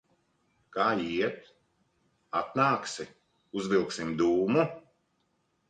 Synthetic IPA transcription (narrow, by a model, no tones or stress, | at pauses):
kaːiɛt̪ | at̪naːksi | uzvilˠksimd̪uːmu